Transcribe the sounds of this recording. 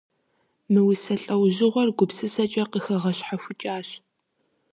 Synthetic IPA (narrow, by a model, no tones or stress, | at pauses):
mɨwʊsɐɬʼɐwʑɪʁʷɔrɡʷʊpsɨsɐt͡ʃʼɐqəxɐʁɐɕħaɕʷʊt͡ʃʼaːɕ